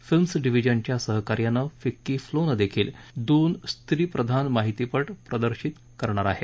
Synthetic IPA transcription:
filmsɖiʋid͡ʑəɲt͡ɕjasəɦkaɾjanːəfikːiːflonəd̪ekʰiːld̪oːnst̪ʰɾiːpɾəd̪ʱanmaɦit̪ipəʈpɾəd̪əɾɕit̪ | kəɾɳ̃aɾaɦe

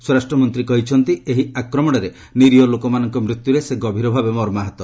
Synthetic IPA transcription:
sɔɾasʈɾɔmɔnt̪ɾikɔɦit͡ʃʰɔnt̪ieɦiakɾɔmɔɽ̃ɔɾe | niɾiɔlokɔmanɔŋkɔmɾit̪juɾeseɡɔbʱiɾɔbʱabemɔɾmaɦɔt̪ɔ

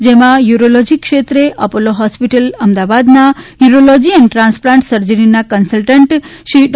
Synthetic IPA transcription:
d͡ʒemãjuɾolɔd͡ʒikːʃet̪ɾeʔəpoloɦɔspiʈələmd̪aʋad̪najuɾolɔd͡ʒiəneʈɾãnsplãɳʈsəɾd͡ʒəninakənsəlʈəɳʈʃiɖ

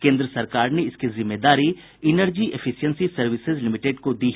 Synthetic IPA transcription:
kẽːnd̪ɾəsɐɾkaːɾneɪskizɪmːeːd̪aːɾi | ɪnəɾd͡ʒiʔefʰɪʃijənsisɐɾʋɪsɪzlɪmɪʈeɖkod̪iːɦ

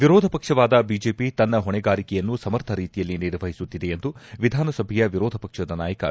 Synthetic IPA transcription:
ʋiɾoːd̪ʱɐpɐkʂɐʋaːd̪ɐbiːd͡ʒeːpit̪ɐnːɐɦɔɳɛɡaːɾikɛjɐnːusɐmɐɾt̪ʰɐɾiːt̪ijɐlːiniɾʋɐɦisut̪ːid̪e̞end̪uʋid̪ʱaːnɐsɐbʱɛjɐʋiɾɔːd̪ʱɐpɐkʂɐd̪ɐnaːjɐkɐ̰

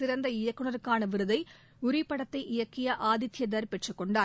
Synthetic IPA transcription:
ɪɾɐnd̪ɐɪjɐkːɯɳɐɾɯkːaːnɐʋɪɾɯðɐɪ | ʊɾɪpːɐɽɐt̪ːɐɪʔɪjɐkːɪjɐʔaːðɪt̪ːjɐd̪ɐɾpɛʈrɯkːɔɳɖaː

